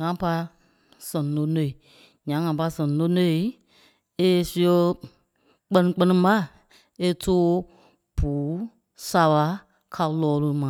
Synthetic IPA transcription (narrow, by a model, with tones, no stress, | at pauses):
ŋã˨˦pa˧ | sɛ̃˨no˧˦ne˨i˨ | ɲã˨˦ŋã˨pa˧sɛ̃˨no˧˦ne˦˨i˦ | e˧su˧˦o˧ | k͡pɜ˧nĩ˧k͡pɜ˧nĩ˧ba˦˨ | e˧tʰoː˦ | b̥uː˨˦ | sa˧ɓa˧ | kʰa˧lɔː˧˦˧lo˧mã˨